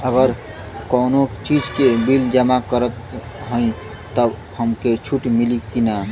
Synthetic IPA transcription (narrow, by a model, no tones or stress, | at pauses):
əɡəɾ | kənot͡ʃid͡ʒkebild͡ʒəmakəɾət̪ | ɦə̃ĩ | t̪əb | həmket͡ʃʰuʈmilikina